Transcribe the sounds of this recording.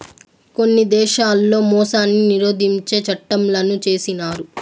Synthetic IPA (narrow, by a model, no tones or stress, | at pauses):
ko̞nːid̪ɛːʃaːlːo̞ːmɔːsaːnːiniɾo̞ːd̪iɲt͡ʃe̞ːt͡ʃɐʈːɐmlɐnut͡ʃe̞ːsinaːɾu